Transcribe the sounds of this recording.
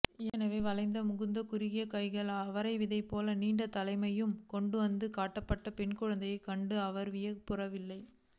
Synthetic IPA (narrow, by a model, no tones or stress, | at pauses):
ɛnɐʋeːʋɐlɐɪnd̪ɐmʊɣɯnd̪ɐkʊɾɪɣɪjɐkɐɪɣɐɭɐʋɐɾɐɪʋɪðɐɪpːoːlɐniːɳɖɐt̪ɐlɐɪmɐjɯmkɔɳɖɯʋɐnd̪ɯkaːʈːɐpːɐʈːɐpɛɳkʊɻɐnd̪ɐjɐɪkɐɳɖɯɐʋɐɾʋɪjɐpʊrɐʋɪlːɐɪ